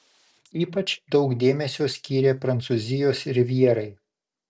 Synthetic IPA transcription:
iːpɐt͡ʃd̪ɒʊkd̪ʲeːmʲɛsʲoːsʲkʲiːɾʲeːpɾɐnt̪suːzʲɪjoːsɪɾʲʋʲiɛɾɐɪ

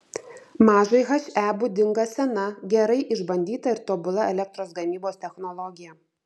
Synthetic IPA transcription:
mɑːʒɐɪɦɐʃʲæːbʊd̪ʲɪŋɡɐsʲɛnɐɡʲɛɾɐɪʔɪʒbɐnʲd̪ʲiːt̪ɐɪɾt̪oːbʊlˠɐɛlʲɛk̚t̪ɾoːsɡɐmʲiːboːst̪ʲɛxnɔlˠɔɡʲɪjɛ

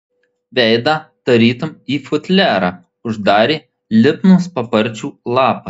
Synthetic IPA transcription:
ʋʲɛɪd̪ɐt̪ɐɾʲiːt̪ʊmiːfʊt̪ʲlʲæːɾɑː | ʊʒd̪ɑːɾʲiː | lʲɪpnʊspɐpɐɾʲt͡ʃʲuːlˠɑːpɐ

